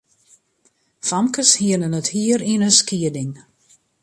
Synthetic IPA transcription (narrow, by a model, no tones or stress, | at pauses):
famkəshiənənəthiəɾinəskiədɪŋ